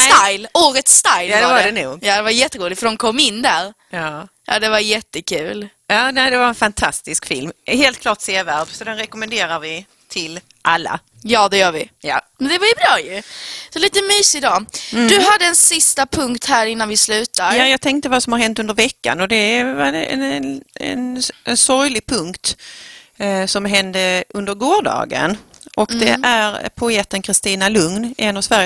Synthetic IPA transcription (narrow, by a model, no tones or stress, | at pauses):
st̪ajloːɾət̪st̪ajlad̪ɛvadɛnuːɡjaːd̪ɛvajɛt̪ːəɾuːlɪt̪fəd̪ɔmkʰɔmːɪnːd̪æɾ | jɑjʔɑ̰ːd̪ɛvajɛt̪ːəkʰʉ̟ːl | jɑːnæɪd̪ɛvaɾɛnfant̪ʰast̪ɪskfɪlmheːlt̪̚kʰlɑːʈseːvæɾbsɔd̪ɛnɾɛkɔmɛnd̪eːɾaɾvɪ | t̪ʰɪl | ʔalːa̰ | jɑːd̪ɛjœːɾvɪjamɛnd̪ɛvaɪbɾɑːjɵsɔliːt̪əmyːsɪd̪ɑːd̪ɵɦad̪ːəɛnssɪst̪apʰɵŋkt̪hæːɾɪnːanvɪslʉ̟ːt̪ajjajɑːɡ̚t̪ʰɛŋk̚t̪əvasɔmhaɾɦɛnt̪ɵnd̪əɾvɛkːa̰nɔd̪ɛvɛ̰nɛ̰nɛnsɔɾjlɪɡ̚pʰɵŋkt̪ | sɔmɦɛnd̪əʔɵnd̪əɾɡoːɖɑ̰ːɡə̰n | ʔɔkd̪ɛʔæɾpʰʊeːt̪ənkʰɾɪst̪iːnalɵŋnɛnɑvsvæɾj